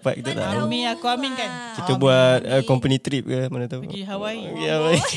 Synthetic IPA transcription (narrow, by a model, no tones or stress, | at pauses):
pa̰ʔ̪̚kit̪ət̪a̰ʔmiakuamiŋkan | kit̪əbuat̪̚əkɔmpənĩt̪ɾip̚kamanət̪a | ɦawaikihawai